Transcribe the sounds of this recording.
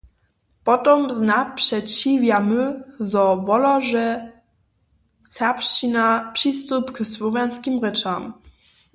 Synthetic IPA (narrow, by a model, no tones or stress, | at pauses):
pɔt̪ɔmznapʂɛt͡ɕivjamɘzɔvɔlaʐɛ | sɛpʂt͡ɕinapʂist̪upkswɔvʲjanskʲimʁɘt͡ʂam